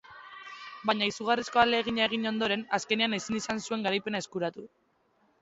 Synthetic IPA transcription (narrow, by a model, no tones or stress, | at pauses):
baɲaisuɣ̞arisko̞ald̪e̞ːɣ̞iɲaeɣ̞iɲo̞nd̪o̞ɾe̞naske̞neanesinisansue̞ŋɡaɾajpe̞nae̞skuɾat̪u